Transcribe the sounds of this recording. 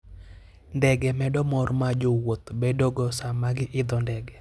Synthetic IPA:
ndɛɡɛmɛdɔmɔrmad͡ʒowot̪bedoɡɔsamaɡɪʔɪd̪ɔndɛɡɛ

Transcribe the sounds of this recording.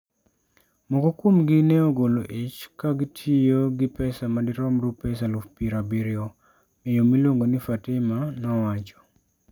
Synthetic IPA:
mɔkɔkwomɡɪnɛɔɡoloʔɪt͡ʃkaɡɪtʰijoɡɪpɛsamadɪɾɔmɾupɛsalufpiɾabiɾɪɔ | mɛjomiloŋɡonɪfatɪmanɔwat͡ʃɔ̥

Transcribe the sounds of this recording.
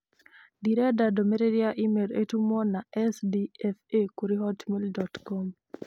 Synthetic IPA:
diɾɛdadɔmeɾeɾijaʔimeletumɔnaʔɛsdiɛfekuɾiɦɔtmildɔtkɔm

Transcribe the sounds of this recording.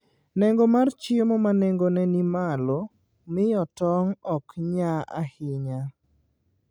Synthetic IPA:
nɛŋɡomart͡ʃɪmomanɛŋɡonɛnimalo | mɪjɔtɔŋɔkɲaa̰hɪɲa

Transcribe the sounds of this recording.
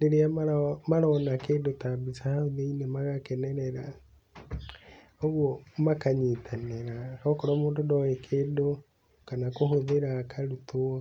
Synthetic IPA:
deɾeamamaɾɔnakeːdotabisahahuðeinemaɣakɛnɛɾɛɾa | oβwɔmakaɲitʰaneɾakɔkɔɾɔmuːndodɔwɛkʰedo | kanakoɦoðeɾakʰaɾutuɔ

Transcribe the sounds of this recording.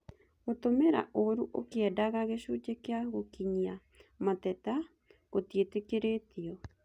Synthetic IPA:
ot̪omeɾa̰ʔoɾuʔokeadaɣaɣeʃut͡ʃekeaɣokiɲia | mat̪ɛt̪a | kot̪ietekeɾet̪iɔ

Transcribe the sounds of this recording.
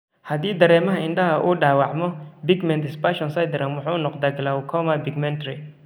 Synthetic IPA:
hɐðiːd̪ɐɾɛːmɐɦɐɪnɖɐɦɐʔuːɖaːwɑʕmɔbɪɡmɛnt̪ɪspaʃɔnsɐjd̪ɪɾɐnwʊħuːnɔqd̪aɡɐlaːwkʰɔmɐbɪɡmɛnt̪ɾɪ

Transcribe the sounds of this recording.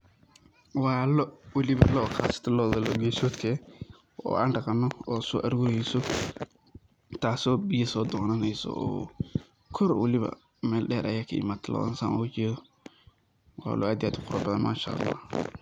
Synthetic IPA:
waːlɔwɐlɪβɐlɔːqʰaːsɪ̥t̪ʰɐlɔːðɐlɔːɡɛːsɔt̪kʰɛ | ɔ̰ːʔaːnɖɐqɐnːɔɔːsɔːʔɐɾɡʊɾɛjsɔ | t̪ʰaːsɔːbɪjɐsɔːd̪ɔnɐnɛjsɔ̰ɔ̰ː | kʰɔɾwɐ̰lɪβɐ̰ | mɛːlɗɛːɾʔɐ̰jaːkʰɐḭmat̪ʰɐlʔɔ̰ːʔɐ̰nsa̰nɔwt͡ʃɛːðɔ | wa̰ːlʔɔ̰ʔaːd̪jaːd̪ʊqʊɾɐbɐðɐnma̰ːʃɐ̰ʔlːa̰ːh

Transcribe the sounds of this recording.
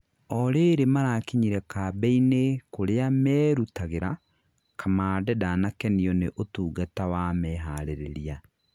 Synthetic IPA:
ɔɾeːɾemaɾaːkiɲiɾɛkaːbɛinekoɾeamɛːɾutaɣeɾa | kʰamaːdɛdanakɛniɔneʔotuːɡatawamɛːɦaɾeɾḛɾia

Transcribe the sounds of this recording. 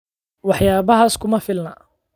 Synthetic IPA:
wɑħjaːβɐɦaːskʰʊmɐfɪlnɐ̰

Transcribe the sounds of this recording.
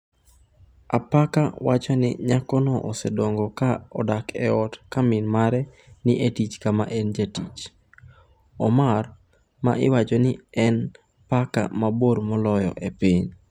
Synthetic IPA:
apakawat͡ʃɔnɪ̰ɲakɔnɔʔɔsɛdɔŋɡɔkaɔdakɛ̰ɔtkamɪnmaɾɛ | nɪʔetit͡ʃkama̰ʔend͡ʒatit͡ʃ | ɔmar | ma̰ʔɪwat͡ʃɔnɪɛn | paka̰maboɾmɔlɔjɔ̰ʔepiɲ

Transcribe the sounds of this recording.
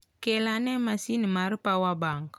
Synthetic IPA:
kɛlanɛmasinimaɾipawabaŋɡa

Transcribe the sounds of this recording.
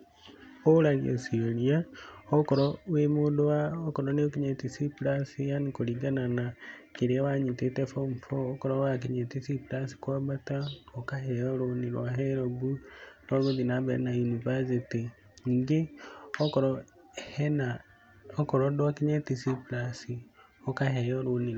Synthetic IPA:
oɾaɣjo̰sioɾjaɔkɔɾɔwemodowaɔkɔɾɔneokiɲɛtisiplasijanikoɾiɡananakeɾeawaɲitetɛfɔmfɔːkɔɾɔwak̬eɲetisiplasi̥kwabataɔkaɦɛjɔɾoniɾwaɦɛɾɔbunɔmoðinabɛ̰najunivas̬iti | ɲiɡeɔkɔɾɔ | hɛna | ɔkɔɾɔdwakiɲɛtisiplasi | ɔkahɛjɔɾoni

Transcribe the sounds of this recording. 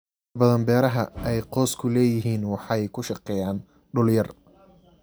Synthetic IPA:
bɐðɐnbɛːɾɐɦɐ̰ʔɛjqɔːskʰʊlɛːjɪɦiːnwɑħɑjkʰʊʃɑqɛːjaːn | ɖʊljɐr

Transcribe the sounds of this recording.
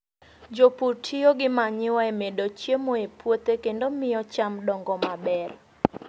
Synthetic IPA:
d͡ʒoputʰioɡɪmaɲɪwɔɛmedot͡ʃjemoepwot̪ekendomɪjɔt͡ʃamdɔŋɡɔmabɛr

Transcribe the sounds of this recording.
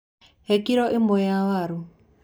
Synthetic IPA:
ɦɛkiɾɔʔimɔjawaɾu

